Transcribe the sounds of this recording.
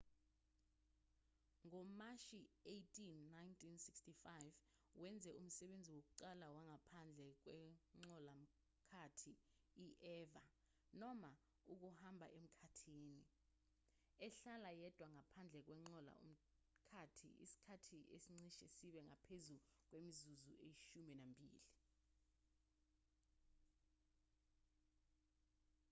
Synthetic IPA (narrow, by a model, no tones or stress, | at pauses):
ŋɔmaʃiejtʰʼinːajntʰʼinsikstifajv | wɛnd͡zʱɛum̩sɛɓend͡zʱiwok̬uǃalawaŋʱapʰand͡ɮʱɛk̬wɛŋ͡ǀɔlam̩ | kʰatʰi | iʔɛva | nɔma | uk̬uhambʱa̰ʔem̩kʰatʰiːni | ɛɬalajɛd̥ʱwaŋapʰand͡ɮʱɛk̬wɛŋ͡ǀɔla̰ṵm̩ | kʰatʰḭḭsi̥kʰatʰiʔḛsiŋ͡ǀiʃɛsiɓɛŋapʰezuk̬wemizuzuejiʃumɛnambʱḭːli